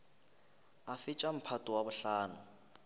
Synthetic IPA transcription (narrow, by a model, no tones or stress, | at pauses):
afɪt͡ʃʼam̩pʰatʼʊwabʊɬaːnʊ